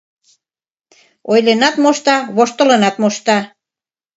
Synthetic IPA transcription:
ojlenɑt̪moʃt̪ɑβoʃt̪ə̆lɤnɑt̪moʃt̪ɑ

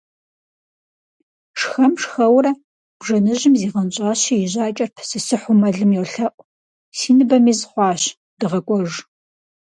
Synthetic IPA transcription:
ʂxɐmʂxɐwɾɐ | b̥ʐɐnɨʑɪmziːʁɐnɕʼaːɕijɪʑaːt͡ʃʼɐrpʰsɨsɨħʷʊmɐɮɨmjɛwɬɐʔʷ | siːnɨbɐmiːzχʷɑːɕ | d̥ɨʁɐkʷʼɔʒ

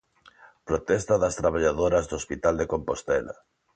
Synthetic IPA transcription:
pɾot̪ɛst̪aðast̪ɾaβ̞aʎaðoɾazðoospit̪ald̪ekompost̪ɛla̰

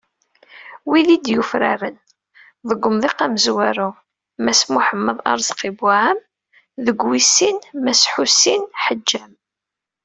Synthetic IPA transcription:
wiðid̪jufɾa̰ɾən | ðˤəɡʷːʊmðˤiqaməzwæɾu | mæsmʊħəmːəðˤɑ̰ɾˤzqibaʕəm | ðəɡwisːinmæsħusinħəd͡ʒːæm

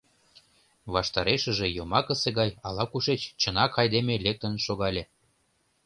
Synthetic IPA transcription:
βɑʃt̪ɑɾeʃə̆ʒejomɑkəseɣɑjɑlɑkuʃet͡ɕt͡ɕə̆nɑkɑjd̪emelek̚t̪ə̆nʃoɣɑlʲe

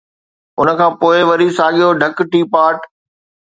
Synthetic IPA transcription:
ʊnə̆kʰãːpoːɪʋɐɾisaːɠijoɖʱɐkʈiːpaːʈ

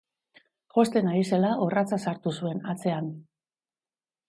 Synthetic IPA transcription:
ʝo̞st̪e̞naise̞laʔorat͡sasaɾt̪usue̞nat͡se̞an

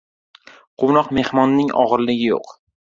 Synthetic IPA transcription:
qʰonɒqme̞hmɒnːɪŋʔɒ̰ʁɨɾlɪɡʲɪjo̰q

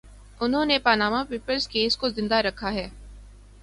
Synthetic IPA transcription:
ʊnɦõːnepaːnaːmapiːpəlskeːskozɪ̃nd̪aɾɐkʰaɦɛː

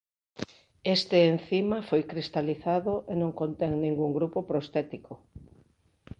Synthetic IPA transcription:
est̪ɪːn̟θimafojkɾist̪aliθaðʊʔenõŋkont̪ɛŋnĩŋɡuŋɡɾupopɾost̪ɛt̪iko

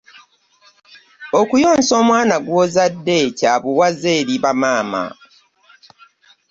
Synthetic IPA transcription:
okujo̞ːnso̞ːmwaːnaɡwo̞ːzadːe̞ːcaβuwazeːɾiβamaːma̰

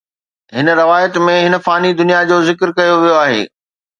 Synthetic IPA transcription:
ɦɪn̆ɾɐʋaːjət̪mẽɦɪnə̆faːnid̪ʊnijad͡ʑoːzɪkɾkɐjoʋijoaːɦḛː

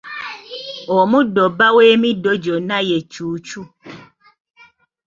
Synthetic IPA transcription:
omũdobaweːmĩdod͡ʒonãjet͡ʃuːt͡ʃu

